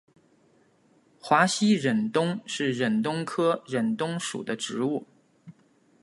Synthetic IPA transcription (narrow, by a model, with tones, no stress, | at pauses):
xwa˧˥ɕi˥ɻə˨˩nt̪ʊ˥ŋʂɻ̩˥˩ɻə˨˩nt̪ʊ˥ŋkʰɤ˥ɻə˨˩nt̪ʊ˥ŋʂṵ˨˩d̪ə˦ʈ͡ʂɻ̩˧˥u˥˩